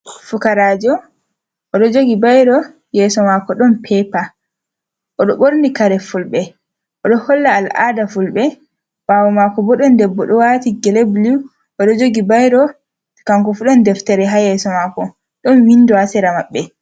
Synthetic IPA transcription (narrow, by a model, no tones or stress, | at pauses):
fukaɾaːd͡ʒɔ | ʔɔɗɔd͡ʒoɡibajɾɔ | jɛsɔmakɔɗɔnpʰɛpa | ʔɔɗɔɓoɾnikaɾɛfulbɛ | ʔɔɗɔhɔlːaːlʔa̰ːdafulbɛ | wawɔmakɔbɔɗɔndɛbːɔɗɔwatiɡɛleblu | ʔɔɗɔd͡ʒoɡibajɾɔ | kaŋkɔfuɗɔndɛftɛɾɛɦajɛsɔmakɔ | ɗɔnwinːduasɛɾamaɓːɛ